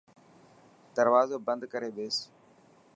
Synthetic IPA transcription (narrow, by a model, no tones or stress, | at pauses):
d̪əɾʋaːzoːbənd̪kəɾeːɓeːs